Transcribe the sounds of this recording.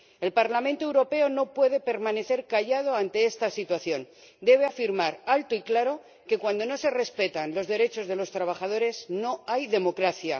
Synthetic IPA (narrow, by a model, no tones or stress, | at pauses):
e̞lpaɾlamẽnt̪o̞ewɾo̞pe̞o̞no̞pwe̞ð̞e̞pe̞ɾmãne̞θe̞ɾkaʝað̞o̞ant̪e̞est̪asit̪waθjo̞n | d̪e̞β̞e̞afiɾmaɾalt̪oiklaɾo̞ | ke̞kwand̪o̞no̞se̞re̞spe̞t̪anlo̞zðe̞ɾe̞t͡ʃo̞zðe̞lo̞st̪ɾaβ̞axaðo̞ɾe̞sno̞ajðe̞mo̞kɾaθja̰